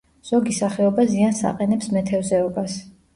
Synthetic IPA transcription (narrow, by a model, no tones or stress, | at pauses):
z̥ɔɡisaχɛɔbaziansa̰qʼɛnɛpsmɛt̪ʰɛvzɛɔbas